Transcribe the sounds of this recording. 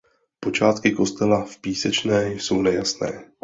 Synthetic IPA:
po̞t͡ʃaːt̪kɪko̞st̪ɛlafpiːsɛt͡ʃnɛːso̞wnɛja̰snɛ̰ː

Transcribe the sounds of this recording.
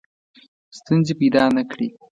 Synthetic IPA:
st̪unzepajd̪ɑnakɽi

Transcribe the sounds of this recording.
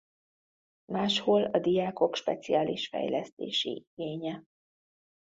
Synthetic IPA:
maːʃholɒd̪ijaːko̞kʃpɛt̪siaːliʃfɛ̰jlɛst̪ḛːʃḭiɡ̥eːɲɛ

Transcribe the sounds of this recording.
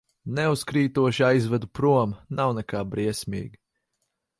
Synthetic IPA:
nɛuskɾiːt̪uɔʃajzvɛd̪upɾuɔmnawnɛkaːbɾiɛsʲmʲḭːɡi

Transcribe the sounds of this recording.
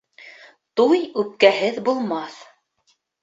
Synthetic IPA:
t̪ujʉp̚kæhɘðbulˠmɑθ

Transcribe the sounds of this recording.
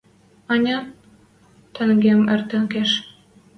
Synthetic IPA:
ɑnʲɑ | t̪ə̆ŋɡemə̆rt̪ə̆ŋkeʃ

